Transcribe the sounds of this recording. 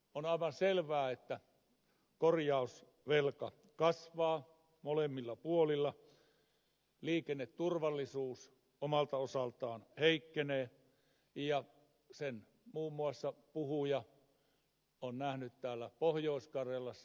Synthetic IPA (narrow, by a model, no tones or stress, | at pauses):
onɑˑiʋɑnselʋæːet̪ːæ | korjɑus | ʋelkɑ | kɑsʋɑː | molemːilːɑpuolilːɑ | liːkenːett̪urʋɑlːisuːs | omɑlt̪ɑosɑlt̪ɑːnheikːeneː | jɑ | sen | muːmːuɑsːɑpuhujɑ | onnæhnyt̪t̪æːlːæpohjoˑiskɑrjɑlːɑs